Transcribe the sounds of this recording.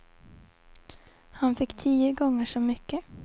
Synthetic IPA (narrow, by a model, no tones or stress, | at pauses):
hanfɪkːt̪ʰiːəɡɔŋːəʂɔmʏkːə